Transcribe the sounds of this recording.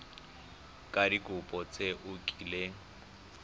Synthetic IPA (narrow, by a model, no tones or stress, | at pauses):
kʼadikʼʊpʼɔt͡sʼeʔʊkʼile